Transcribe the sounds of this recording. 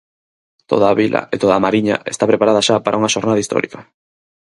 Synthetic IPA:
t̪o̰ðaβilʔɐ̰et̪oðamaɾiɲɐ̰ʔest̪apɾepaɾað̞aʃapaɾʔauŋɐʃoɾnaðaist̪ɔ̰ɾḭkɐ

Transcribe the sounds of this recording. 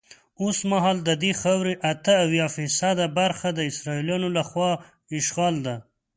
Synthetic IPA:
osmaɦɑld̪əd̪exɑwɾeʔat̪əawjɑfisad̪abaɾxad̪əɪsɾɑiljɑnolaxwɑ | ɪʃɣɑld̪a

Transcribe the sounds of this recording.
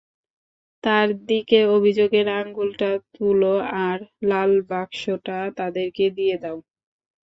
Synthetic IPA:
t̪aɾd̪ikeobʱid͡ʑoɡeɾaŋɡulʈat̪uloaɾlalbakʃoʈat̪ad̪eɾked̪ijed̪ɛo

